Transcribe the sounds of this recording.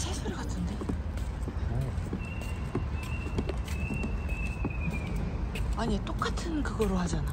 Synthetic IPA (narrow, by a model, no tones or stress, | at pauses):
sʰesʰoɾɯkatʰɯnde̞ | aɲit͈ok͈atʰɯnkɯɡʌɾohad͡ʑana